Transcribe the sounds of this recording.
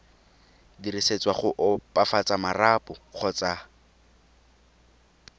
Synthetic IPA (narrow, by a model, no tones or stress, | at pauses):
diriset͡swaχʊʔʊpafat͡samarapʊχɔt͡sa